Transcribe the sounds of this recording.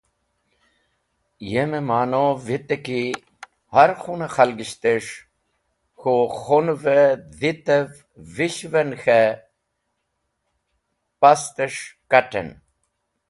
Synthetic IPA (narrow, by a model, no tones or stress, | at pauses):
jememaːnovit̪eki | hɐɾxunexɐlɡiɕt̪eʂ | xoxonved̪it̪ev | viɕvenxe | pɐst̪eʂkɐʈḛn